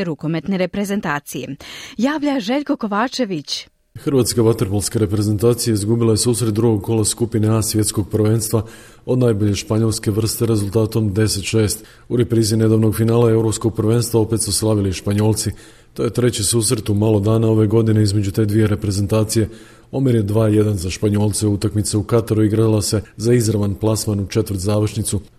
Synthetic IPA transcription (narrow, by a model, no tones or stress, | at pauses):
ɾuko̞met̪neɾepɾe̞ze̞nt̪aːt̪sijḛjaːʋʎaʒe̞ʎʲko̞ko̞ʋaːt͡ʃe̞ʋit͡ɕ | xrɾʋaːt̪skaʋat̪ɾpolˠskaɾe̞pɾe̞ze̞nt̪aːt̪sijeizɡubilajesuːsɾet̪̚d̪ɾuɡo̞ɡ̚ko̞laskupineasʋje̞t̪sko̞ɡ̚pɾʋe̞ːnst̪ʋa | o̞d̪najbo̞ʎe̞ʃpaɲo̞lske̞ʋr̩st̪e̞ɾe̞zulˠt̪aːt̪o̞md̪e̞se̞t̪ʃe̞ːst̪ | uɾe̞pɾiːzine̞d̪aːʋno̞ɡfinaːlae̞wɾo̞psko̞ɡ̚pɾʋe̞ːnst̪ʋao̞pe̞t̪suslˠaʋiliʃpaɲo̞ːlˠt̪si | t̪o̞je̞t̪ɾe̞t͡ɕisuːsɾe̞t̪umalˠo̞d̪aːnao̞ʋe̞ɡo̞d̪ine̞izme̞d͡ʑut̪e̞ːd̪ʋije̞ɾe̞pɾe̞ze̞nt̪aːt̪sije̞ | o̞miɾje̞d̪ʋaːje̞d̪anzaʃpaɲo̞ːlˠt̪seut̪akmit̪seukat̪aɾuiɡɾalase̞zaizɾaʋanplˠasmanut͡ʃe̞t̪ʋəɾt̪zaːʋr̩ʃnit̪su